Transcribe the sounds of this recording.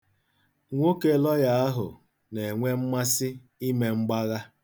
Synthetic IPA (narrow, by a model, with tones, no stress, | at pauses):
ŋʷo˦ke˦lɔ˦ja˦a˦ɦʊ̰˨ | ne˨ŋʷe˦m̩˦ma˦sɪ˦ | i˦me˨ŋ͡m̩˦ɡ͡ba˦ɣa˦